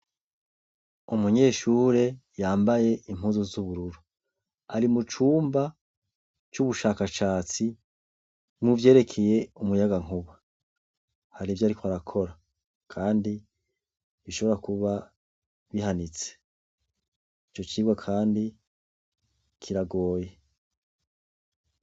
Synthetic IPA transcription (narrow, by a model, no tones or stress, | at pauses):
umuɲe̞ːʃuːɾe̞jaːmbaje̞ʔim̥ɦuːnzozuβuɾuɾu | aɾimut͡ʃuːmba | t͡ʃuβuʃakaʃaːt͡si | muvje̞ːɾe̞kʰe̞je̞umujaɡaŋ̥uβa | haɾivjaːɾikwaɾakʰo̞ɾa | kʰaːndi | βiʃo̞βo̞ɾakuβa | βihanit͡se̥ | it͡ʃo̞t͡ʃiːɡwakʰaːndi | kʰiɾaɡo̞ːje